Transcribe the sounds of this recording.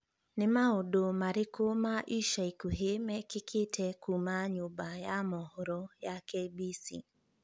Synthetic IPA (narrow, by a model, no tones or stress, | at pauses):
nɪmaodomaɾɪkomaʔiʃaikuɦemɛkɪkʰɪtʰɛkumaɲʊbajamɔhɔɾɔjakebisḭ